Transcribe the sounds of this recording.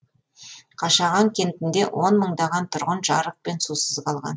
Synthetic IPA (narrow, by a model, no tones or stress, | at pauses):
qʰɑʃɑʁɑŋkʲʰe̞nt̪ɪnd̪e̞wʔo̞nməɴd̪ɑʁɑnt̪ʰʊɾʁənʒɑɾəq̚pe̞nsusəzqʰɑlˠʁɑ̰n